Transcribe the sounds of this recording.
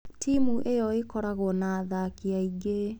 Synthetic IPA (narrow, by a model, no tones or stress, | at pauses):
tʰimuʔejɔekɔɾaɣɔnaːðakiaiɡe